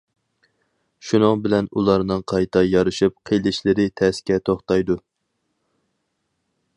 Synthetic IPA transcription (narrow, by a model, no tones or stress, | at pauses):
ʃunɨŋbɪlɛnulˠɑɾnɨŋqʰɑjt̪ʰɑjɑɾɨʃup̚qʰelɪʃlɪɾɪt̪ʰɛskʲɛt̪ʰoχt̪ɑjd̪u